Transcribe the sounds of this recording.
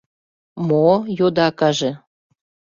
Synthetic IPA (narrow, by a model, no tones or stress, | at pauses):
mojod̪ɑkɑʒĕ